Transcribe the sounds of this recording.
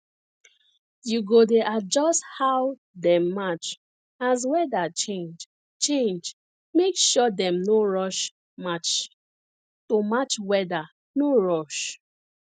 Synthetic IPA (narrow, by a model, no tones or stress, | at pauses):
juɡodeʔad͡ʒɔsthaw | dɛ̃mːat͡ʃ | azwɛdat͡ʃẽnd͡ʒ | t͡ʃẽnd͡ʒ | mekʃɔdɛ̃mnoɹɔʃ | mat͡ʃ | tomat͡ʃwɛda | noɹɔʃ